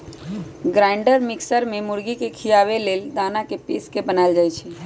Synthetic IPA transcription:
ɡɾaɪɳɖəɾmɪksəɾmemʊɾɡikekʰijaʋeleld̪anakepiskebənald͡ʒajt͡ʃʰɛ

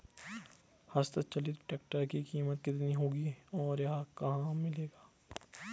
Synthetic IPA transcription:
hɐst̪ət͡ʃɐlit̪ʈeːk̚ʈəɾkikiːmət̪̚kɪt̪niɦoːɡiɔːɾjɐɦãkɐɦãmɪleːɡaː

